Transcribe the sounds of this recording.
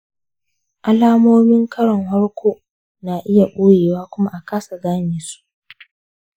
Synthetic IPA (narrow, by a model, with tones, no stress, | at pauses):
ʔa˦laː˦moː˦mɪ˦ŋkʰɐ˦ɽɔ˨ŋhɐ˦ɽkʷʰoː˦ | naː˨ʔɪ˦ja˨ɓoː˦jeː˨waː˦kʷʊ˦ma˦ʔa˨kaː˦sa˨ɡaː˦neː˨su̥˦ʔ